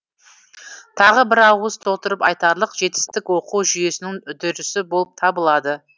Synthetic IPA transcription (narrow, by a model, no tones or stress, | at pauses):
t̪ʰɑʁəbɪɾɑwəzt̪ʰo̞lˠt̪əɾəpɑjt̪ɑɾlˠəqʒe̞t̪ɪ̥st̪ɪkwo̞quwʒʏje̞sɪnɪŋd̪ʏɾɪsɪbo̞lˠəp̚t̪ʰɑbəlˠɑd̪ə